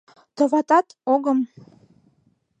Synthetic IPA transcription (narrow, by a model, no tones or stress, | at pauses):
t̪ŏβɑt̪ɑt̪oɣəm